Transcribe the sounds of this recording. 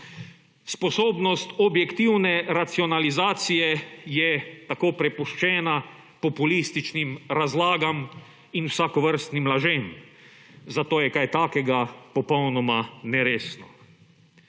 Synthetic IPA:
spɔsoːbnɔst̪ɔbjɛkt̪iwnɛɾat̪siɔnalizaːt̪sijɛjɛt̪akoːpɾɛpuʃt͡ʃɛːna | pɔpulist̪it͡ʃnimɾazlaːɡam | inwsakɔʋəɾst̪nimlaʒem | zat̪oːjɛkajt̪aːkɛɡapɔpɔwnɔmanɛɾeːsnɔ

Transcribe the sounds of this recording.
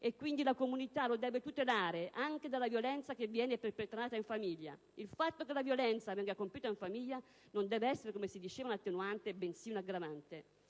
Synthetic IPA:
ekːwind̪ilakomunit̪alod̪ɛːvet̪ut̪elaːɾeʔaŋk̟ed̪alːavjolɛnt̪sak̟evːjɛːneperpet̪ɾaːt̪aiɱfamiʎːa̰ | ilfat̪ːokelavjolɛnt̪savɛŋɡakompjuːt̪aiɱfamiʎːa | nond̪ɛːveɛsːeɾekomesid̪it͡ʃeːvaunat̪ːenuant̪ebensiːunaɡɾavant̪e

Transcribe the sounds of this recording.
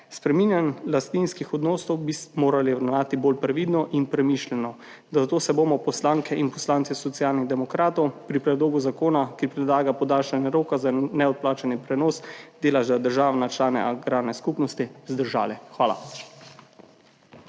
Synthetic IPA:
spɾɛminjanlast̪ninskixɔd̪noːsɔwbimoːɾaliʋɾɛwnaːt̪ibolpɾɛʋid̪nɔʔinpɾɛmiʃlɛnɔ | d̪azat̪oːsɛboːmɔpɔslaːŋkʰɛʔinpɔslaːnt̪sisɔt̪sjaːlniɣd̪ɛmɔkɾaːt̪ɔwpɾipɾɛd̪loːɡuzakoːnakipɾɛd̪laːɡapɔd̪aːlʃanjɛɾoːkazanɛɔt̪̚plaːt͡ʃanipɾɛnoːsd̪eːlaʒd̪ad̪əɾʒaːʋnat͡ʃlaːnɛ̰ʔaɡɾaːɾnɛskupnɔst̪izd̪əɾʒa̰ːlɛxʋaːla̰

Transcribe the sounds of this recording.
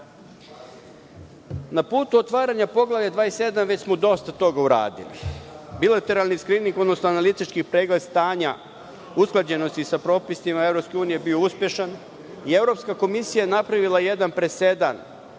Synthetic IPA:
napuːt̪uot̪ʋaːɾaɲapo̞ɡlˠaʋʎad̪ʋaːese̞d̪amʋe̞t͡ɕsmod̪o̞st̪at̪o̞ɡauɾa̰ːd̪ḭlḭbilˠat̪e̞ɾalˠniskɾiniŋko̞d̪no̞snoanalit̪it͡ʃkipɾeːɡlest̪aːɲa | usklˠad͡ʑe̞no̞st̪isapɾo̞ːpisimae̞vɾo̞pske̞uːnijebio̞uspje̞ʃan | ie̞vɾo̞pskako̞misijajenapɾaʋilˠaje̞d̪anpɾese̞d̪a̰n

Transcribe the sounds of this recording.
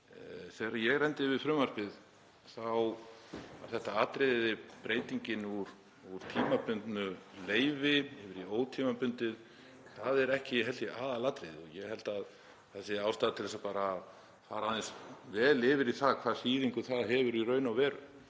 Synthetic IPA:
θɛɾajɛɣrɛnt̪ɪvɪðfɾʏmaspɪð | θaw | a̰ɾ̥θɛht̪aaːt̪ɾeððɪpɾeːjt̪iɲcɪnuɾ | uɾ̥t̪ʰiːmapʏnt̪nʏleːjvɪɪvɪɾioːwt̪ʰiːmapʏnt̪ɪð | θaðɛɾɛhcɪjɛɦɛlt̪ɪʔaːðalaːt̪ɾejðɪɔɣjɛhɛlt̪að | θɛsɪaːwst̪aːðt̪ʰɪlðɛsapaːɾa | θaɾaðɪnsvɛːlɪvɪɾiθaðkʰvað̥siːðiŋkʏθaðɦɛvʏɾirœːɥnawvɛːɾʏ̰

